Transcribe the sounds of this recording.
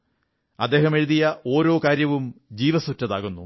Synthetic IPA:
ɐd̪ːe̞ːhɐme̞ɻuðijɐʔo̞ːɾo̞ːkaːɾjɐʋumd͡ʑiːʋɐsutːɐðaːɣunːu

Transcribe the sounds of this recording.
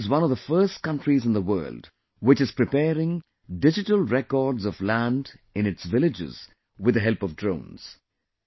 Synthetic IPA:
zwʌ̃nɔvðəfɜːst̚kʌ̃nʈɹizɨ̃nd̪əwɜ̰ːld | wɪt͡ʃɨz̥pɾɨpɛːɾɪ̃ŋ | ɖɪd͡ʒɪʈəlɹɛkɔːɖzɔvlæ̃nɖɪ̃nɨʈsvɪlɪd͡ʒɪ̰z̥ | wɪɨd̪əɦɛlˠpɔvdɹõʊ̃nz̥

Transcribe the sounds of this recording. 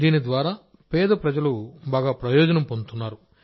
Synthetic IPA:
d̪iːnid̪ʋaːɾaː | pɛːd̪ɐpɾɐd͡ʒɐlubaːɡaːpɾɐjɔːd͡ʒɐnɐmpont̪unːaːɾu

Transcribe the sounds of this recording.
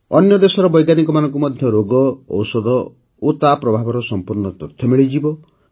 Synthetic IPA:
ɔ̰njɔd̪esɔɾɔbɔjɡanikɔmanɔŋkumɔd̪ʱjɔɾoɡɔɔ̰wsɔd̪ɔ | ot̪apɾɔbʱabɔɾɔsɔmpuɾnɔt̪ɔt̪ʰːjɔmiɭid͡ʒibɔ

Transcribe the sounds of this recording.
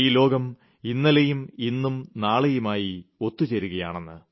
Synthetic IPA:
iːlo̞ːɡɐm | inːɐlɐjuminːumnaːɭɐjumaːjio̞t̪ːut͡ɕeɾuɣɐja̰ːɳenːɨ

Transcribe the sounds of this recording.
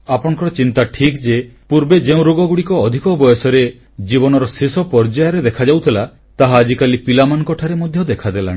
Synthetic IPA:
apɔɽ̃ŋkɔɾɔt͡ʃint̪aʈʰikd͡ʒepuɾbed͡ʒeũɾoɡɔɡuɽikɔːd̪ʱikɔbɔjɔsɔɾe | d͡ʒibɔnɔɾɔsisɔpɔɾd͡ʒajɔɾed̪ekʰad͡ʒawt̪ʰila | t̪aɦaːd͡ʒikalipilamanɔkɔʈʰaɾemod̪ʱjɔd̪ekʰad̪elã̰

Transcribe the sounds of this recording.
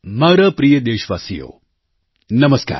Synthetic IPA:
maːɾɐpɾijəd̪eːʃʋaːsijo̰ː | nɐməska̰ːɾ

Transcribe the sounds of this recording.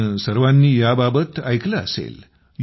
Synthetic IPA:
səɾʋanːiːjababət̪ajklaə̰sḛl | j

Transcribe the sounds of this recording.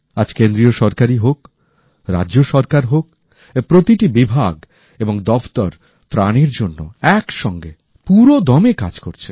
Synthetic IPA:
ad͡ʑkend̪ɾioʃɔɾkaɾiɦok | ɾa̰ːoʃɔɾkaɾɦok | pɾot̪iʈibibʱaɡ | eboŋd̪ɔft̪ɔɾ | t̪ɾaneɾd͡ʑonːo̰ɛkʃɔŋɡe | puɾod̪ɔmeka̰d͡ʑkoɾt͡ɕʰe̥

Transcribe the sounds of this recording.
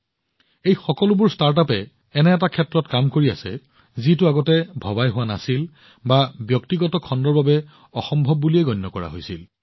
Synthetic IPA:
ejxɔkɔlʊbʊɹstaɹt̬apɛ | ɛnɛːtakʰɛtɹɔtkamkoɹia̰sɛ̰ | zitʊaɡɔtɛbʱɔbajɦʊwana̰sil | babjɔktiɡɔtɔkʰɔndɔɹbabɛ | ɔxɔmbʱɔbːuliɛɡɔjnːɔkɔɹa̰ɦojsḭl

